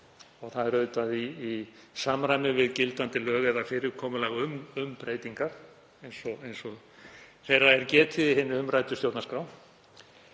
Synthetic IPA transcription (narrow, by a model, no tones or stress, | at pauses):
ɔɣθaðɛɾœɥt̪aðiːsaːmɾaːjmɪvɪðcɪlt̪ant̪ɪlœːɣɛðafɪɾɪɾ̥kʰɔːmʏlaːɣʏmʏmpɾeːjt̪iŋkaɾ̥ | ejnsɔejnsɔ | θejrːaɛɾcɛːt̪ʰɪðɪɦɪnːɪʏmraːjt̪ʏst̪jowt̪naskɾaw̪